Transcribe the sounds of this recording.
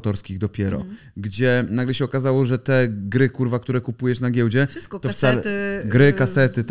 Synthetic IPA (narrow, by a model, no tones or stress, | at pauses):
t̪ɔɾskʲiɣd̪ɔpʲjɛɾɔ̰ | ɡd͡ʑɛnaɡlɛɕɛɔkazawɔʐɛt̪ɛɡɾɘkuɾvak̚t̪uɾɛkupujɛʂnaɡʲjɛwd͡ʑɛt̪ɔft̪salɛɡɾɘkasɛt̪ɘt̪